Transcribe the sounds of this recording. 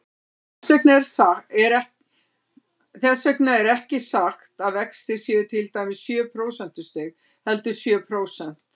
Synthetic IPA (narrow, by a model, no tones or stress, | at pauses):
ɛsœknaɛɾsaɛɾɛ | θɛsœjknaɛɾɛhcɪsaxt̪aðvɛkst̪ɪsjɛːðʏt̪ʰɪlt̪aːjmɪsːjœːpʰɾoːwsɛn̥t̪ʏ̥st̪ɪɣ | hɛlt̪ʏ̥sjœːpʰɾoːwsɛn̥t̪